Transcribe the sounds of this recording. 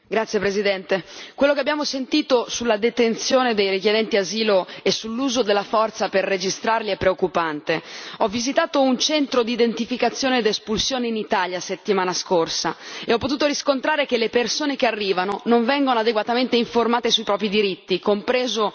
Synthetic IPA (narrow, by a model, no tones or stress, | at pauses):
ɡɾat̪sːjepɾezid̪ɛnt̪ekwelːokeabːjaːmosent̪iːt̪osulːad̪et̪ent̪sjoːned̪ejɾikjed̪ɛnt̪iaziːloesːulːuːzod̪elːafɔrt̪saperːed͡ʒist̪ɾarliɛpːɾeokːupant̪eɔvːizit̪aːt̪ount͡ʃɛnt̪ɾod̪iːd̪ent̪ifikat̪sːjoːned̪espulsjoːneinit̪aːljaset̪ːimaːnaskorsaeɔpːot̪uːt̪oɾiskont̪ɾaːɾekelːepersoːnekearːiːvanonoɱvɛŋɡonoad̪eɡwat̪ament̪eiɱformaːt̪esuipɾɔːp̬ɾid̪iɾit̪ːikompɾeːzo